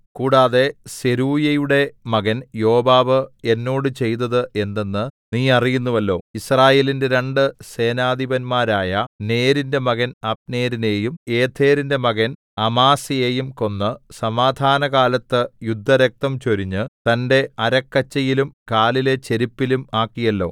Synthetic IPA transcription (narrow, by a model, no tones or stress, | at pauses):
kuːɽaːðe̞se̞ɾuːjɐjuɽe̞mɐɣɐnjo̞ːbaːʋɨe̞nːo̞ːɽɨt͡ɕe̞jt̪̬ɐðɨʔe̞nd̪e̞nːɨniːɐrijunːuʋɐlːo̞ːisraːje̞ːlinde̞ɾeɳɖɨse̞ːnaːd̪ʱibɐnmaːɾaːjɐne̞ːɾinde̞mɐɣɐnɐp̚ne̞ːɾine̞ːjume̞ːt̪ʰːe̞ːɾinde̞mɐɣɐn | ɐmaːsijejumko̞nːɨsɐmaːd̪ʱaːnɐɣaːlɐt̪ːɨjud̪ʱːɐɾɐk̚t̪ɐmt͡ɕoɾiɲːɨt̪ɐnde̞ɐɾɐkːɐt͡ɕːɐjilumkaːlile̞t͡ɕe̞ɾipːilumaːkːijɐlːo̞̰ː